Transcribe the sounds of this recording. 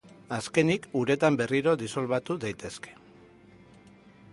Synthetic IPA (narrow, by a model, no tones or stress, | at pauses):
aske̞nikuɾe̞t̪ambe̞riɾo̞d̪iso̞lβat̪uðajt̪e̞ske̥